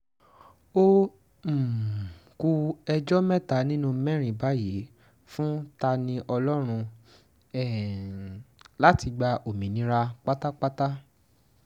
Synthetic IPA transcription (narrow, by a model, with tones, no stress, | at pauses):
o˦ | m̩˨ku˧ɛ˧d͡ʒɔ˦mɛ̃˦˨ta˨˦nĩ˦nũ˦˧mɛ̃˦ɾ̃ĩ˨ba˨˦ji˨˦ | fũ˦ta˧nĩ˧ʔɔ˧lɔ˦ɾ̃ũ˧ | ɛ˦˨ | la˦ti˧ɡ͡ba˧ʔo˨mĩ˨nĩ˧˦ɾa˧k͡pa˦ta˦k͡pa˦ta˦